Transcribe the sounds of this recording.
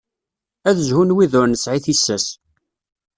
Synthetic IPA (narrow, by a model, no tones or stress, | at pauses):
æðəʒhunwiðʊɾnəsʕiθisːæs